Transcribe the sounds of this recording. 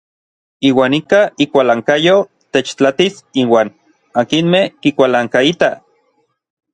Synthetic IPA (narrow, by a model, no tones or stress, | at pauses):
iːwaːnikaikʷalaːŋkajo | t̪et͡ʃt͡ɬat̪isiwaːn | akinmehkikʷalaːŋkait̪a